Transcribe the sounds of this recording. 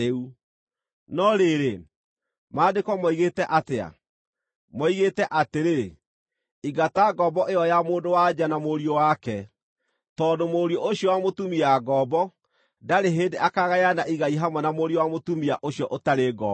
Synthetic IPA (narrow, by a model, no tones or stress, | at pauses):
eu | nɔɾeɾe | maːdekɔmɔiɣetɛʔatea̰ | mɔiɣetɛʔateɾe | iɡataɡɔbɔʔeɔjamoːdowad͡ʒanamoɾiowakɛ | tɔːdomoɾjɔʔoɕjɔwamotumiaɡɔːbɔ | daɾeɦedeʔakaɣajanaʔiɣaiɦamwɛnamoɾjowamotumiaʔoɕjɔʔotaɾeɡɔ